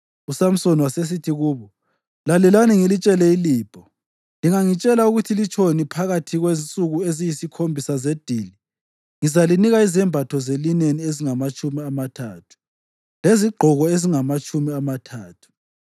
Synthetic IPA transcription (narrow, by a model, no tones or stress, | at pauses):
usam̩soniwases̬itʰiɣuːβɔ | lalɛlaniŋilit͡ʃʼɛlɛiliːb̥ʱɔ | liŋaŋit͡ʃʼɛlauɣutʰilit͡ʃʰonipʰaɣatʰiɣwent͡sʼuɣuezijisikʰombʱisazed̥ʱiːli | ŋizaliniɣaizɛmbʱatʰɔzelinenieziŋamat͡ʃʼumiamatʰaːtʰu̥ | leziɡ͡ǃʱɔɣɔeziŋamat͡ʃʼʰumiamatʰaːtʰu̥